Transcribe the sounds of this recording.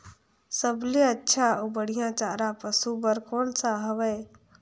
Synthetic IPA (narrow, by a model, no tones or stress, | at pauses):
səbleətːʃʰaubəɽ̤ijãt͡ʃaːɾapəsubəɾkoːnsaɦəʋəː